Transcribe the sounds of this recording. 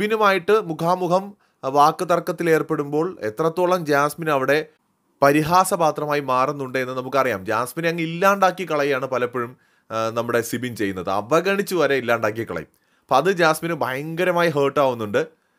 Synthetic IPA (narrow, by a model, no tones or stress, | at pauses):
binumaːjiʈːɨmukʰaːmukʰɐm | ʋaːkːɨt̪ɐrkːɐt̪ːile̞ːrpe̞ɽumbo̞ːɭe̞t̪rɐt̪ːoːɭɐmd͡ʑaːsminɐʋiɽe̞ | pɐɾiɦaːsɐbaːt̪rɐmaːjimaːrunːuɳɖɨe̞nːɨnɐmukːɨɐrijaːmd͡ʑaːsminɐŋːɐilːaːɳɖaːkːikɐɭɐjaːɳɨpɐlɐpːeɻum | nɐmːuɽe̞sibint͡ɕe̞jːunːɐðɨɐ̰ʋɐɡɐɳit͡ɕːuʋɐɾeilːaːɳɖaːk̬ːikɐɭɐ̰jḭ | pːɐðɨd͡ʑaːsminɨbʱɐjɐŋɡɐɾɐmaːjiɦeːʈːaːʋunːuɳɖɨ